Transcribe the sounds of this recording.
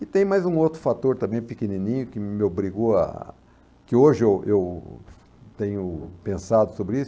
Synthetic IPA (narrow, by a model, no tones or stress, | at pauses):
ɪt̪ẽj̃majzũowt̪ɾʊfat̪oɾt̪ɐ̃mbẽj̃pɪkenĩnĩɲʊkɪmɪobɾiɡoɐ̰ | kɪoʒɪewew | t̪ẽjʊpẽsad̪ʊsobɾɪisʊ